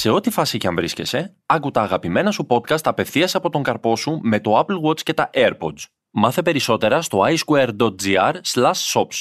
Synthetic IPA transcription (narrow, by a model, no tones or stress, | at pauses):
se̞o̞t̪ifɐsicɐɱvɾisce̞̰se̞ | ɐkut̪ɐːɣɐpime̞nɐsupo̞t̪kɐst̪ɐpe̞fθiɐseɐpo̞t̪o̞ŋɡɐɾpo̞sume̞t̪o̞ɐplwo̞t͡sce̞t̪ɐʔeɾpo̞t͡s | mɐθe̞pe̞ɾiso̞t̪e̞ɾɐst̪oɐjskueɾd̪o̞t̪̚d͡ziɐɾslɐsːo̞ps